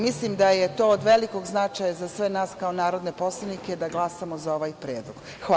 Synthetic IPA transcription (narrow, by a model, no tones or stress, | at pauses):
mislimd̪ajet̪o̞ːod̪ʋe̞liko̞ɡznat͡ʃajazassʋe̞naːskaonaːɾo̞d̪ne̞po̞slˠaniked̪aɡlˠasamozao̞ʋajpɾeːd̪lˠoɡ̥ | xa